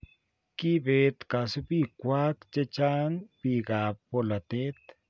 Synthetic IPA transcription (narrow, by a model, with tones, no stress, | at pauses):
ki˦be˨t̪ka˨su˦bi˦kʷa˦kt͡ʃe˦t͡ʃa˦nbi˧ɡa˨o˦˨la˨t̪e˦t̪